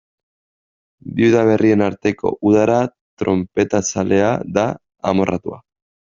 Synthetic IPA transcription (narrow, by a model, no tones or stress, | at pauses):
biuðaβ̞e̞rie̞naɾt̪e̞ko̞̰ʔuðaɾa | t̪ɾo̞mpe̞t̪at͡sale̞aða̰ː | mo̞rʔat̪ua̰